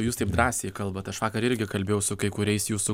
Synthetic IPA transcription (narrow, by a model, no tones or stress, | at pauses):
juːst̪ɐɪpd̪ɾɑːsʲeːjɪkɐlˠbɐt̪ɐʃʋɑːkɐɾɪɾʲɡʲɪkɐlʲbʲeːjɛʊsʊkɐɪkʊɾʲɛɪsjuːsu